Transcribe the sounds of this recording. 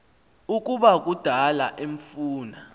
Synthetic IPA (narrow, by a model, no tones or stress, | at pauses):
uk̬ʼuɓak̬ud̥ʱalaʔeɱfuːna